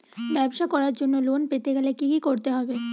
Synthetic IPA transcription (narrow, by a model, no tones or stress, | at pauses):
bɛbʃakɔɾaɾd͡ʑonːolonpet̪eɡɛlekikikoɾt̪eɦɔbe